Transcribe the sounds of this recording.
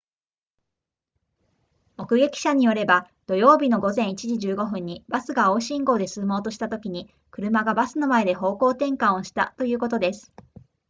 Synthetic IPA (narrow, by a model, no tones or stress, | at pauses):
mo̞kɯ̟ɡe̞kʲi̥ɕaɲ̟ijo̞ɾe̞ba | d̪̥o̞jo̞ːbʲino̞ɡo̞zẽɰ̃it͡ɕiʑiʑɨːɡo̞ɸɯ̟̃ɲ̟ːibasɨɡao̞ːɕĩŋɡo̞ːd̪e̞sɨːmo̞ːt̪o̞ɕi̥t̪at̪o̞kʲiɲ̟i | kɯ̟ɾɯ̟maɡabasɨno̞mae̞d̪e̞ɦo̞ːko̞ːt̪ẽ̞ŋkãɰ̃oɕi̥t̪a̰t̪o̞jɯ̟ːko̞t̪o̞d̪e̞sɨ̥